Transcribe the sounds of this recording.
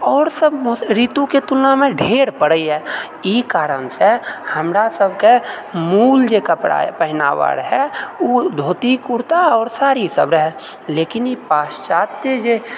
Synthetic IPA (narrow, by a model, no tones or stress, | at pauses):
ɔːɾsəbɾiːt̪ũket̪ulnamẽɖʱeːɽpəɽəiɦɛː | ikaːɾənsehəmɾasəbʱkemuːld͡ʒekapɽa̰pəɦɪna̰wa̰ːɾɦɛud̪ʱoːt̪ikʊɾt̪aɔːɾsaːɾisə̰bɾəɦɛ | leːkɪnepaːst͡ʃaːt̪ed͡ʒe